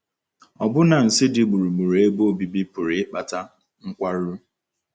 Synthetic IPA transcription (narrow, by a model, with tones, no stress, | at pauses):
ɔ˨bʊ˦na˨n̩˨sɪ˦dɪ˨ɡ͡bu˨ɾu˨ɡ͡bu˨ɾe˦bo˦˨bi˨bi˦pʊ˨ɾɪ˨ɪ˦k͡pa˨ta˦ | ŋ̩˦kʷa˦ɾ